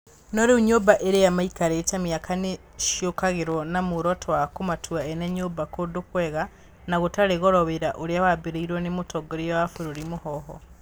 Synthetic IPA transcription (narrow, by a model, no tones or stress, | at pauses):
noɾeuɲobaʔeɾejamaikaɾet͡ʃamiakʰane | ʃjokaɣeɾonamuɾotʰwakumatʰuaeneɲoːbakodukweɣa | naɣutaɾeɣoɾoβeɾaʔoɾiawabeɾeiɾwonemutʰoɡoɾijawafuɾoɾimuhɔɦɔ